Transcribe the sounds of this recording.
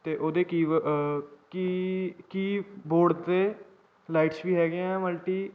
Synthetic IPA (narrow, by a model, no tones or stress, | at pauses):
t̪eːʔoːd̪eːkiː | kikiːboːɽt̪eː | laːɪʈsʋiːɦɛːɡeãməlʈiː